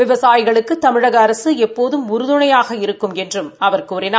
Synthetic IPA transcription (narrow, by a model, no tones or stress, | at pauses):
ʋɪʋɐsaːjɪɣɐɭɯkːɯt̪ɐmɪɻɐɣɐːɾɐsɯɛpːoːðɯmʊɾɯðɯɳɐjaːɣɐɪɾɯkːɯmɛndrɯmɐʋɐɾkuːrɪnaː